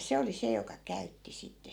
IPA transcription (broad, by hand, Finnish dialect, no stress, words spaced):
se oli se jokɑ kæytːi sitːe